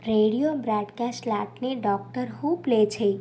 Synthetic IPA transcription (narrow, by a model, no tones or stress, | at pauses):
ɾeɽijobɾaɖkasʈlaʈneɖɔk̚ʈəɾɦuplet͡ʃʰe